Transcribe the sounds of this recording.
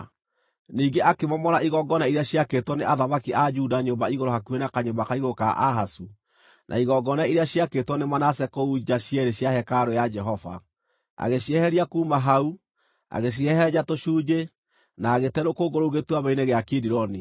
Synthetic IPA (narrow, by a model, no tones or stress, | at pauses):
niːɡeʔakemɔmɔɾaiɣɔɡɔnaiɾeaɕiakeːtwɔneʔaðamakiʔad͡ʒuːdaɲoːmbaiɣoɾohakuenakaɲoːmbakaiɣoka̰ʔaɦasu | nʔa̰iɣɔɡɔnaiɾeaɕiakeːtwɔnemanasɛkoud͡ʒaɕiɛɾeɕjahɛkaɾojad͡ʒɛɦɔva̰ | a̰ɣeɕiɛhɛɾiakuːmaɦau | a̰ɣeɕ̬iɛhɛɟatoʃuːd͡ʒe | naːɣetɛɾokoɡoɾouɣetuaβaineɣeakidiɾɔni